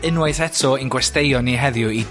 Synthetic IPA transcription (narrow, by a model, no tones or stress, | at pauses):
ənwaɨθɛtʰɔinɡwɛstejɔniɦɛðjʊi